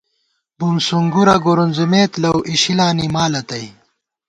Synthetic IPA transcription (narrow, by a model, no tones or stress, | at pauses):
bumsuŋɡuɾɐɡuɾunzumeːt̪lɐwʔiɕilaːnimaːlɐt̪ɐj